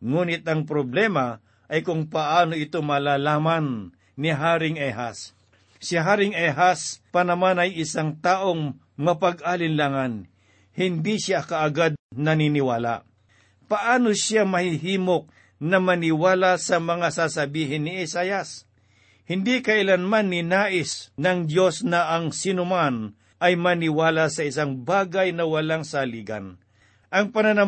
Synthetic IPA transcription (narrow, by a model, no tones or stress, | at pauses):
ŋuːnɪt̪̚ɐŋp̬ɾoblɛmɐ | ʔɐjkʊŋpɐʔaːno̞ɪt̪omɐlaːlaːmanː | ɪɦaːɾɪŋɛɦa̰sː | ɪɦaːɾɪŋɛɦaspɐnɐmanɐjɪsaŋt̪aːʔoŋ | mɐpaɡ̚alɪnlaŋan | hɪnd̪iʃakɐʔːɡad̪̚nɐninɪwala̰ʔ | pɐʔaːnoʃamɐhɪɦiːmo̞k̚ | nɐmɐnɪwaːlasɐmɐŋasasɐbiːɦɪnːɪɛsaːjas | hɪnd̪ikɐʔɪlanmanːɪnaːʔɪsnɐŋd̪jo̞snɐʔɐŋsɪnʊman | ʔɐjmɐnɪwaːlasɐɪsaŋbaːɡajnɐwɐlaŋsaliːɡɐ̰n | ʔɐŋpɐnɐnɐ